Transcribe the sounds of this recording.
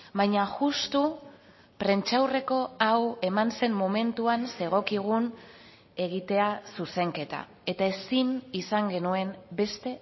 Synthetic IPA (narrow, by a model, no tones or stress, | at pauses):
bajɲaʝust̪u | pɾe̞nt͡ʃawre̞ko̞awe̞manse̞mːo̞me̞nt̪uanse̞ɣo̞kiɣ̞un | e̞ɣ̞it̪e̞asuse̞ŋke̞t̪a̰ | e̞t̪ae̞sinisaŋɡe̞nue̞mbe̞st̪e̞